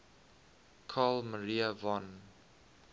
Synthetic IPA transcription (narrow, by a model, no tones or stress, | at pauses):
kʰalməɹiəvɔ̃n